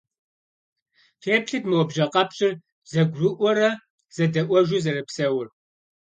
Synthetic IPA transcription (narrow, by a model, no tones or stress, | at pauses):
feːpɬɨtmɐwɔbʒɐqʼɐpɕʼɪr | zɐɡʷrɨʔʷɔɾɐ | z̥ɐdɐʔʷɔʒʷuzɐɾɨpsɐwʊr